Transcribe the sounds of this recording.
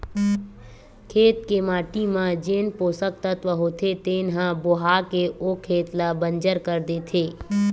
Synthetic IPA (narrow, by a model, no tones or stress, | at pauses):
kʰeːt̪̚kemaːʈimãd͡ʒeːnpoːsək̚t̪ət̪ʋəɦoːt̪ʰet̪eːnɦãbʊɦaːkeʔoːkʰeːt̪labə̃nd͡ʒəɾkəɾd̪eːt̪ʰeː